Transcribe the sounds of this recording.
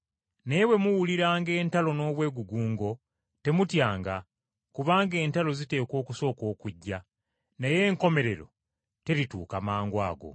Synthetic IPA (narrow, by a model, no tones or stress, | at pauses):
nejewe̞muwuliɾaːŋɡe̞ːntalo̞no̞ːβwe̞ːɡuɡuːŋɡo̞ | te̞mutjaːŋɡa | kuβaːŋɡe̞ːntalo̞zite̞ːko̞ːkuso̞ːko̞ːkuɟːa | neje̞ːŋko̞me̞ɾe̞ɾo̞̰ | te̞ɾituːkamaːŋɡwaːɡo̞̰